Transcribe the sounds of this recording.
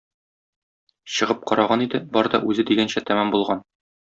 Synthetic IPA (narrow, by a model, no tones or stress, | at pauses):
ɕɤ̆ʁɤp̚qɒɾɑʁɑnid̪ɘbɒɾd̪ɒ̰ʔʉzɘd̪iɡænɕæt̪æmæmbulˠʁɑn